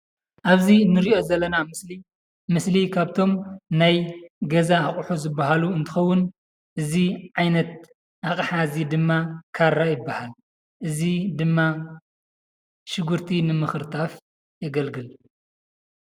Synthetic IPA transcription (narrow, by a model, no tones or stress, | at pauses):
ʔaβzinːɨɾiʔo̞zɐlːɐnamɨsli | mɨslikʰaβt̪ʰo̞mnajɡɐzaːχʼħuzɨbːaɦaluɨnt̪ʰɨ̥xɐwːʊn | ʔɨziʕajnɐt̪̚ | ʔaχʼħazid̪ɨmːakʰaɾːajɪbːahal | ʔɨzid̪ɨmːa | ʃɨɡuɾt̪ʰinɨmɨxɨɾt̪ʰaf | jɐɡɐlɡɨl